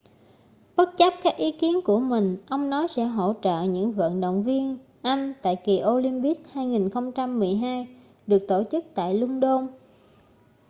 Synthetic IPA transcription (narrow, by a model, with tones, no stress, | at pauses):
ɓə˦˥t̚t͡ɕə˦˥p̚kaː˦˥k̚ʔi˨˦ki˨˦ənku˧˩əmï˨˩ŋ̟ʔə˧wŋ͡mnɔ˨˦jsɛ̰˧˥ɦo̰˧˩˨t͡ɕə̰ː˧˨ɲɨ̰˧˥ŋvə̰˧˨nɗo̰˧˨wŋ͡mvi˧ən | ʔa˧jŋ̟t̪a̰ː˧˨jki˨˩ʔo˧li˧mɓi˦˥ək̚haː˧jŋi˨˩nxə˧wŋ͡mt͡ɕa˧mːɨ˨˩əjɦaː˧j | ɗɨ˨˩ək̚t̪o˧˩t͡ɕɨ˦˥k̚t̪a̰ː˧˨jlʊ˧ŋ͡mɗo˧n